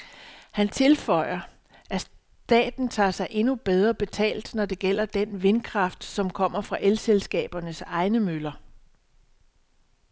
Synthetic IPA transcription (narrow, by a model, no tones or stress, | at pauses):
hænt͡sʰe̝lfɒ̽ɪ̰ɐ | ʔæs | d̥ɛ̰ːd̥n̩t͡sʰɑ̰̈ːsɑ̈ɪʔe̝nub̥eð̞ˠʁɐb̥e̝t͡sʰɛ̰ːld̥nɒd̥e̝ɡ̥el̰ɐd̥enʋe̝nkʰʁɑ̈fd̥sɒ̽mkʰɒ̽m̰ɐfʁɑ̈ʔelselsɡ̥ɛ̰ːb̥ɐnəsɑ̈ɪnəmølɐ